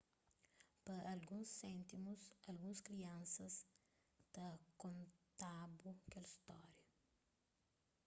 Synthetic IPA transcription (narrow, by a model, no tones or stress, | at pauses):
pɐʔɐlɡũsːɛ̃nt̪imusɐlɡũskɾiɐ̃nsɐs | t̪ɐkõnt̪abukɛlist̪ɔɾjɐ